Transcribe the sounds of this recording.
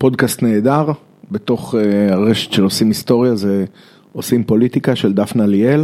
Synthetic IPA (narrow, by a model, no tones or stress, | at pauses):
po̞d̪kast̪ne̞ːd̪aʁ | be̞t̪o̞χeaʁeʃe̥t̪ʃe̞lo̞simist̪o̞ʁjaze | osimpo̞lit̪ikaʃe̞ld̪afnaliel